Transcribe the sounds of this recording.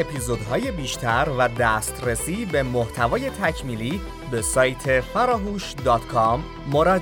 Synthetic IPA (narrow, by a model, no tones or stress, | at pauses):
epʰizod̪ɦɒːje̞biːʃt̪ʰæɾvæd̪æːst̪ɾesiːbe̞moht̪ʰævɒːje̞t̪ʰæcʰmiːliː | be̞sɒːjt̪ʰe̞fæɾɒːɦuːʃd̪ɒːt̪kʰɒmː | oɾɒd̪